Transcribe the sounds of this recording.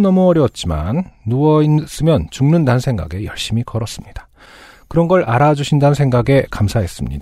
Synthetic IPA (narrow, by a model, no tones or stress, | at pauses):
nʌmuʌɾjʌt̚t͡ɕ͈ima̰nːuʌins͈ɯmjʌnt͡ɕuŋnɯndannsʰe̞ŋɡa̰ɡe̞jʌɭɕ͈imikʌɾʌs͈ɯmɲid̥ḁ | kɯɾʌnɡʌɭaɾad͡ʑuɕʰindanɯnsʰeŋɡaɡe̞kamsʰaɦe̞s͈ɯmɲḭda